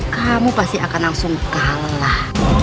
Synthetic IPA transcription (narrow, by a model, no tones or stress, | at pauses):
kamupast̪iakanlaŋsʊŋkallah